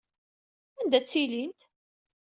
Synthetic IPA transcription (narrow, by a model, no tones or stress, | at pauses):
ænd̪æt͡sːilint̪